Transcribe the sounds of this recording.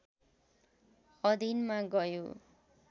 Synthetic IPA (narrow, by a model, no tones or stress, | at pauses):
ʌd̪ʱinmaɡʌjo̰